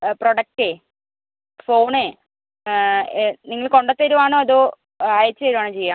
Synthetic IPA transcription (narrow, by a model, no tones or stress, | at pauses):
proɽɐk̚ʈe | fo̞ːɳe | niŋːɐɭko̞ɳɖot̪ːɐɾuʋaːɳoːɐðoː | aːjɐt͡ɕːɨɐɾumaːɳɨt͡ɕejːaːm